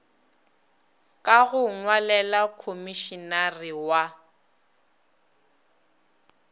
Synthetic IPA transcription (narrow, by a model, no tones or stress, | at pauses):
kʼaɣʊŋwalɛlakʰomiʃinariwa